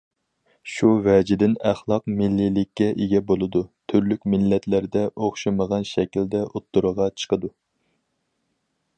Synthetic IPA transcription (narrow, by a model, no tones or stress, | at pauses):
ʃuvɛd͡ʒɪd̪ɪnæχlˠɑqmɪlːilːɪkʲːɛʔeɡʲɛbolˠɨd̪ut̪ʰyɾlykʲmɪlːɛt̪læɾd̪ɛʔoχʃɨməʁɑnʃɛkʲild̪ɛʔot̪ːuɾəʁɑt͡ʃʰə̥qəd̪u